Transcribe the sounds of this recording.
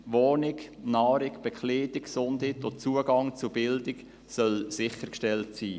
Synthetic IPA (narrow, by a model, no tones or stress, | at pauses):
ʋoːnɪknaːɾɪkb̥ɛkʰleːdɪksʊndhitot͡suəɡɑŋt͡sʊbɪldɪk | sœlsɪχəɾkʃtɛltsiː